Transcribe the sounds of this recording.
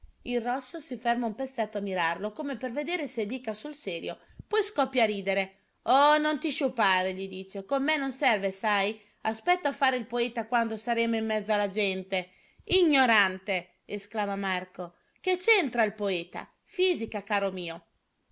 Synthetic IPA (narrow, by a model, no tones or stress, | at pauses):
ilrɔsːosifɛrmaumpet̪sːɛt̪ːoamːiɾarlokomeperved̪eːɾesed̪iːkasulsɛːɾjo | pɔjskɔpːjaɾiːd̪eɾe | onont̪iʃupːaːɾeʎid̪iːt͡ʃekomːenːonsɛrvesaj | aspɛt̪ːafaːɾeilpoɛt̪akwand̪osaɾeːmoimːɛd̪zːalad͡ʒɛnt̪e | iɲːoɾant̪e | esklaːmamarko | ket͡ʃɛnt̪ɾailpoɛːt̪a̰ | fiːzikakaːɾomiːo